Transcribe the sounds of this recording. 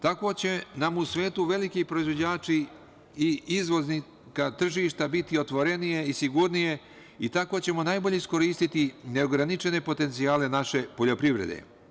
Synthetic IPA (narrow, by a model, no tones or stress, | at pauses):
t̪ako̞t͡ɕe̞namusʋe̞ːt̪uʋe̞likipɾo̞izʋo̞d͡ʑaːt͡ʃiː | izʋo̞zni | kat̪r̩ʒiʃt̪abit̪io̞t̪ʋo̞ɾe̞nije̞isiɡuɾnije̞ | it̪ako̞t͡ɕe̞mo̞najboʎeisko̞ɾiːst̪it̪ine̞o̞ɡɾanit͡ʃe̞ne̞po̞t̪e̞nt̪siaːle̞naʃe̞po̞ʎo̞pɾiʋɾḛd̪ḛ